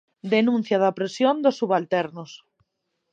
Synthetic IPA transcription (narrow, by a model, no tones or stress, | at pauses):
d̪enũn̟θjaðapɾesjond̪osːuβalt̪ɛɾnos